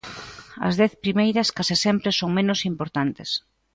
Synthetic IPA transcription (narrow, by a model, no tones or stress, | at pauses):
ɐ̰zðɛθpɾimejɾɐskasɪsɛmpɾesoŋmẽnosimpoɾt̪ant̪ɪs